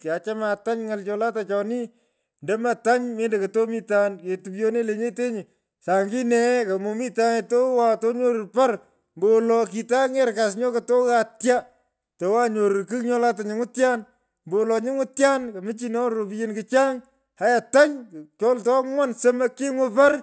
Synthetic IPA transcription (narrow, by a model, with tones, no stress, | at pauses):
ka˨t͡ʃa˦ma˨ta˦ɲŋa˨lt͡ʃɔ˧la˦tat͡ʃɔ˨ni˦ | ndɛ˦ma˨ta˦ɲme˦nde˨kɐ˨to˦mi˦tanke˨tu˨pjo˦ne˦le˨ɲe˦te˦ɲɪ˨ | sa˨ŋɡi˦nɛ˨ka˨mo˨mi˦ta˦ŋeto˦wa˨to˦ɲo˦ɾʊ˨pa˦r | mbo˨lɔ˨ki˨ta˦ŋe˦ɾka˨s̬ɲɔ˦kato˦ka˨tja˦ | to˨wa˦ɲo˨ɾkɨ˦kɲɔ˦la˦ta˨ɲɪ˨ŋʊ˦tja˦n | mbo˨lɔ˨ɲɪ˦ŋʊ˦tja˦nkɐ˨mɨ˦t͡ʃi˦nɔ˦ɾo˨pi˦je˦nkɪt͡ʃa˦ŋ | ha˨ja˨ta˦ɲt͡ʃɔ˦ltɔ˦mwɔ˦nsə˦mɐ˦kɪ˦ŋʊpa˦r